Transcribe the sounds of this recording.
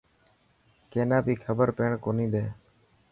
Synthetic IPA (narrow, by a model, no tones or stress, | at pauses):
keːnãːbiːkʰəbəɾpeːɳkoːnĩːd̪eː